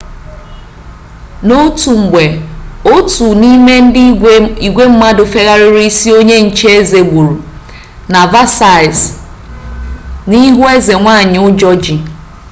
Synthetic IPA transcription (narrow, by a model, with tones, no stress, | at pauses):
no˦tu˨ŋ͡m̩˨ɡ͡be˨o˦tu˨ni˦me˦n̩˦di˨ɡʷe˦m̩˦ma˦dʊ˨fe˦ɣa˦ɾɪ˦ɾi˦i˦si˦o˦ɲe˦n̩˨t͡ʃe˦e˦ze˨ɡ͡bu˨ɾu˨ | na˨va˦sa˨ɪ˨z | ni˦ɦʊ˦e˦ze˨ŋʷa˦˨ɲɪ˨ʊ˦d͡ʒɔ˦d͡ʒi˨